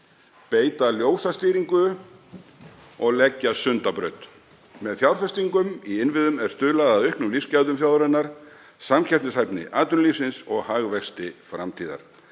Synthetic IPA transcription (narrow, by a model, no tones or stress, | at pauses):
peːjt̪aljoːwsast̪iːɾiŋkʏ | ɔɣlɛcːasʏnt̪apɾœ̰ɥt̪ | mɛðθjawɾ̥fɛst̪iŋkʏmiɪnvɪðʏmɛɾ̥st̪ʏːlaɣðaðʏhknʏmliscaðʏmfθjawðɾɛnːaɾ̥ | samcʰɛr̥t̪nɪsajpnɪ̰ʔaːt̪ʏnliːsɪnsɔɣhaɣvɛxst̪ɪfɾamt̪ʰiːða̰ɾ̥